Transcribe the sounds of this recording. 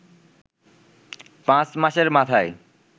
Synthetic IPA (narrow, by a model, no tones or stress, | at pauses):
pãt͡ɕmaʃeɾmat̪ʰae